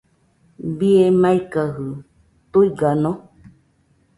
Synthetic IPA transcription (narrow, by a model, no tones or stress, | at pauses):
biemaikaɦɯ | t̪uiɡanõ